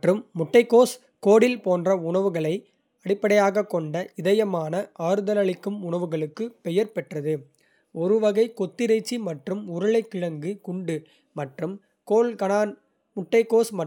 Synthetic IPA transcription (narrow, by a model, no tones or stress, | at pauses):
ʈrɯmːʊʈːɐɪkːoːs | koːɽɪlpoːndrɐʊɳɐʋɯɣɐɭɐɪ | ɐɽɪpːɐɽɐjaːɣɐkːɔɳɖɐʔɪðɐjɐmaːnɐʔaːɾɯðɐlɐɭɪkːɯmʊɳɐʋɯɣɐɭɯkːɯpɛjɐɾpɛʈrɐðɯ | ɔɾɯʋɐɣɐɪkɔt̪ːɪɾɐɪt͡ʃːimɐʈrɯmʊɾɐɭɐɪkːɪɻɐŋɡɯkʊɳɖɯ | mɐʈrɯm | koːlkɐnaːn | mʊʈːɐɪkːoːsmɐ